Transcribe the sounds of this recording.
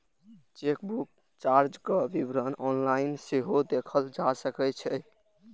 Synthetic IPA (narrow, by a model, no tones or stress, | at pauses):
t͡ʃekbuk̚ | t͡ʃaɾd͡ʒkəbibɾənɔnlainseɦod̪ekʰəld͡ʒasəkɛt͡ʃʰɛ